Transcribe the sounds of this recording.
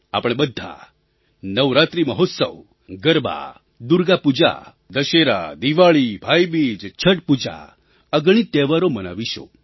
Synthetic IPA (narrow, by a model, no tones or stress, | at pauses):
a̰pəɽ̃ebəd̪ʱːa̰ | nəʋɾat̪ɾiməɦot̪sə̰ʋ | ɡəɾba̰ | d̪uɾɡapud͡ʒa̰ | d̪əʃeɾa̰d̪iʋaɭibʱajbid͡ʒt͡ʃʰəʈ̚pud͡ʒa̰ | əɡɳ̃it̪eʋaɾoməna̰ʋiʃo̰